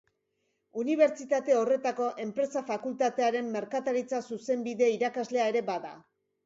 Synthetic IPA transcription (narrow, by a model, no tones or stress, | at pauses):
uniβ̞e̞ɾt͡ʃit̪at̪e̞o̞re̞t̪ako̞ʔe̞mpɾe̞safakult̪at̪e̞aɾe̞mːe̞ɾkat̪aɾit͡sasuse̞mbiðe̞iɾakazle̞ae̞ɾe̞baða̰